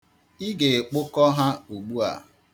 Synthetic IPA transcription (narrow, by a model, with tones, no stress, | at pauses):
i˦ɡe˨k͡pʊ˦kɔ˦ɦa˦u˨ɡ͡bu˦a̰˨